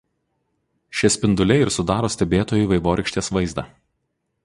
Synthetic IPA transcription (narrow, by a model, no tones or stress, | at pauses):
ʃʲɛsʲpʲɪnd̪ʊlʲɛɪɾsʊd̪ɑːɾoːsʲt̪ʲɛbʲeːt̪oːjʊʋɐɪʋoːɾʲɪkʃʲt̪ʲeːsʋɐɪzd̪ɑː